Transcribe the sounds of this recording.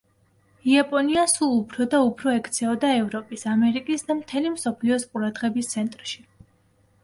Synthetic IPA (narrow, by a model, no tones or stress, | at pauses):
iapʼɔniasulˠupʰɾɔd̪aupʰɾɔɛkʰt̪sʰɛɔd̪aɛvɾɔpʼisamɛɾikʼisd̪amt̪ʰɛlimsɔpʰliɔsqʼuɾad̪ʁɛbist̪sʰɛnt̪ʼɾʃi